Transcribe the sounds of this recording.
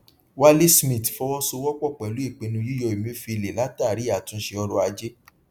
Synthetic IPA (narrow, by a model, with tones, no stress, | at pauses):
wa˦le˦smĩ˦˨tfɔ˨˦wɔ˦so˧wɔ˦k͡pɔ˦˨k͡pɛ˨lu˨˦i˦˨k͡pe˧nũ˧ju˦jɔ˧i˨mĩ˨˦fi˧˨le˨la˨˦ta˦˨ɾi˨˦a˨tũ˧˦ʃe˧ɔ˧ɾɔ˧a˧d͡ʒe˦